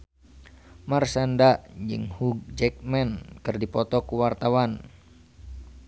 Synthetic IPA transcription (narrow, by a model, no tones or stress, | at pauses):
marsandaʔd͡ʒɨ̰ŋhuɡ̚d͡ʒɛk̚mɛnkɨrdipɔt̪ɔkuwart̪awan